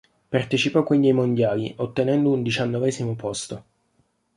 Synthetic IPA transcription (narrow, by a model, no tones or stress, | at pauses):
part̪et͡ʃipɔkːwind̪iajmond̪jaːliʔot̪ːenɛnd̪ound̪it͡ʃanːovɛːzimopost̪o